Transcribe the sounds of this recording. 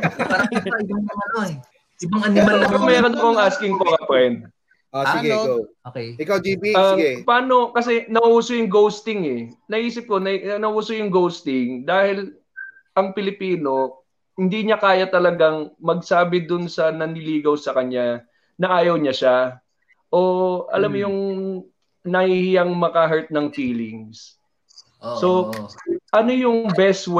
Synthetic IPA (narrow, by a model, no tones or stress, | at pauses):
aɐɪbɐɐŋɐno | ɪbɐŋɐnɪɐnɐomɛːɾonɐkoŋʔaskɪŋkoɾɐpɾɛnd̪̚ | osɪɡɛaokejɪkawd̪iːbiɐɡɛpɐaːno̞kɐsɛnɐʔuːsojʊŋɡowst̪ɪŋɛnɐʔiːsɪp̚ko̞nɐnɐuːsojʊŋɡowst̪ɪŋd̪aːhɪl | ʔɐŋpɪlɪpiːno̞ | hɪnd̪iɲakaːjɐt̪ɐlɐɡaŋmɐɡ̚saːbɪd̪ʊnsɐnɐnɪliːɡɐwsɐkɐɲa | nɐʔaːjɐwɲaʃa | ʔoʔɐ̰lamːjʊŋ | nɐhihɪjaŋmɐkɐɦɛɹt̪̚nɐŋfiːlɪ̰ŋs | so̞ | ʔɐno̞jʊŋbɛsw